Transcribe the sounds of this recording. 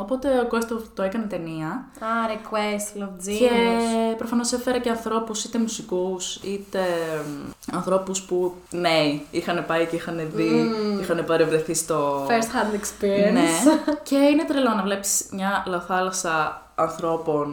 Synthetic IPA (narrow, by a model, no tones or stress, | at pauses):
o̞po̞t̪e̞okost̪ot̪o̞ekɐnet̪e̞niɐ | ɐɾekwest̪lovd͡ziepɾofɐno̞sefeɾɐce̞ɐnθɾo̞pusit̪e̞musikusit̪e̞ | ɐnθɾo̞puspu | neiixɐnepɐiceixɐneðiixɐnepɐɾevɾeθist̪o̞feɾst̪xɐ̃nd̪ekspiɾienece̞ine̞t̪ɾilonɐvle̞psi̥smɲɐlɐθɐlɐsɐ | ɐnθɾo̞po̞n